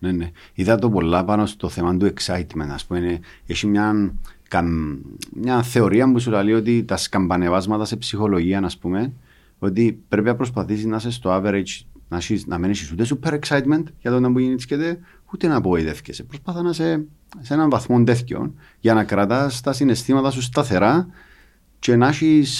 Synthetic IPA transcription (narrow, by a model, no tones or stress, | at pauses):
neneiðɐt̪o̞po̞lːɐpɐno̞st̪o̞θemɐnd̪ue̞ksɐjt̪ment̪ɐspumene | eʃimɲɐnka | mɲɐθe̞o̞ɾiɐmbusulɐlio̞t̪it̪ɐskɐmbɐne̞vɐzmɐt̪ɐsepsixo̞lo̞ʝiɐnɐspume̞n | o̞t̪̬ipɾe̞pinɐpɾos̬pɐθisiznɐs̬est̪oaveɾet͡ʃnaʃisnɐ̰menesisut̪es̬upeɾeksajt̪ment̪ʝɐt̪ot̪ɐmbujiniscet̪e̞ | ut̪enɐpo̞iðe̞fcesepɾospɐθɐnɐse | senɐɱvɐθmo̞nd̪eθco̰n | ʝɐnɐkɾɐt̪ɐst̪ɐsinest̪imɐt̪ɐs̬us̬t̪ɐθe̞ɾa | t͡ʃe̞naʃis